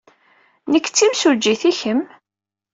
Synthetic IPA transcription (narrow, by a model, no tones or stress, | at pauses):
nəkːt͡sːimsud͡ʒːiθiçəm